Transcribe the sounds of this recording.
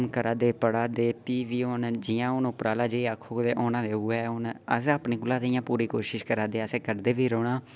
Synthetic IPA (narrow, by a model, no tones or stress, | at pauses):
mkəɾaːd̪eːpəɽaːd̪eːpiːʋiːoʊnd͡ʒɪjãːʊnʊpɾaːlaːd͡ʒeːiːakʰːoːd̪eːʔoːnãːd̪eːʊeʊnəsaːpniːɡʊlãːd̪eijãːpuːɾiːkoːʃɪʃkəɾaːd̪eːəseːkəɾd̪eːʋiːɾoːɽaː